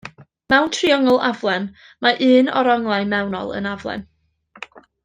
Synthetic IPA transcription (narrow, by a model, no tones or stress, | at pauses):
mɛwntʰriɔŋɔlˠavlˠɛn | maʔɨːnɔ̰ɾɔŋlˠajmɛwnɔ̰lˠə̰navlˠɛ̰n